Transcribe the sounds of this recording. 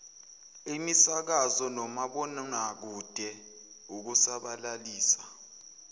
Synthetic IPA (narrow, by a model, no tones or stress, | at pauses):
imisak̬azɔnɔmaɓɔnak̬ud̥ʱɛ | uk̬usaɓalaliːsḁ